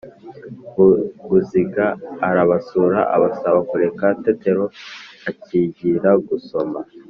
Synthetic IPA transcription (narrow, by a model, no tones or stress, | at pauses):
ɡuziɡaːɾaβasuɾaa̰βasaβakuɾe̞kate̞te̞ɾo̞aciːɟiɾaɡuso̞ma